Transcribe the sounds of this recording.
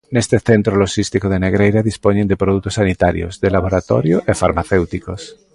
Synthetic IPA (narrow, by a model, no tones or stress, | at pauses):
nest̪eθe̞nt̪ɾolosist̪ikoð̞e̞neɣ̞ɾejɾaðispoɲẽnd̪epɾoð̞uk̚t̪osːanit̪aɾjo̰zðelaβ̞oɾat̪o̰ɾjoʔefaɾmaθewt̪ikos